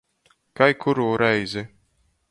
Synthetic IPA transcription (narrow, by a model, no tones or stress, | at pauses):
kajkʰuɾuːɾɛjzi